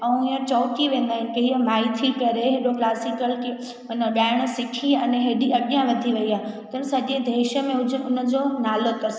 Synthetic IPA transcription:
ɐũiãt͡ɕɔːʈiʋẽːn̆d̪aːɦɪnɪkeɦimaːit̪ʰikɐɾeɦeɗoklaːsɪkəlke | nɗaːɪɽ̃ə̆sɪkʰiɐneɦeːɗiɐɠjãʋɐd̪ʱiʋɐiaːɦt̪ɐsɐʄed̪ʱeːʃəmẽʊʊnə̆d͡ʑonaːlok̪ɐɾs

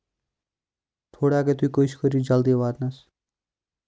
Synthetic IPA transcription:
t̪ʰoɽaket̪ujkojskʌɾid͡zʌld̪iwad̪nʌs

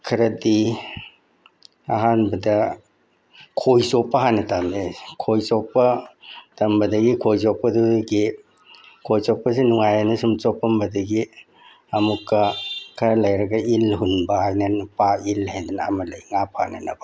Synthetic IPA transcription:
kʰɐɾɐdi | a̰ɦanbɐdɐ | kʰojsopːɐɦanɐtamnikʰojsopːɐtɐmbɐdɐɡikʰojs̬opːɐduɡi | kʰojsopːɐs̬inuŋajanɐsumt͡ʃopːɐmbɐdɐɡi | ɐmukːɐkʰɐɾɐlɐjɾɐɡɐilɦunbɐhajnɐnpailhajdɐnɐ̰mɐlajŋapʰaanɐnɐbɐ

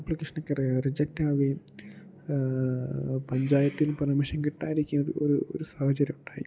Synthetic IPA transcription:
plikːiʂɐɳɐkːererid͡ʑɐk̚taːʋi | pɐɲd͡ʑaːjɐt̪ːilpɐrɐmɐɕɐmkiʈːa̰ːjiɾikʲːunːɐðɨ̰o̰ɾuo̰ɾusaːhɐt͡ɕɐɾjɐmuɳɖaːji

